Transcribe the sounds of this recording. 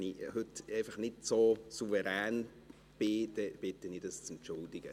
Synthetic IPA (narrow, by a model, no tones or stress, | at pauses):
nihʏtɛɪfɑχnɪtsosuvɛɾæːn | b̥ɪd̥̪ɛb̥ɪtənidɑst͡sɛntt͡ʃʊld̪ɪɡ̥ə